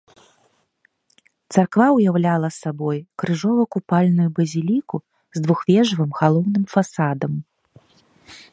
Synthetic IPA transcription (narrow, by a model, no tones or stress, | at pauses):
t̪sarkvawjawlʲalˠɐsabɔjkɾɨʐɔvɐkupalʲnujubɐzʲilʲiku | zd̪vuxvʲɛʐvɨmɣalˠɔwnɨmfasad̪ɐm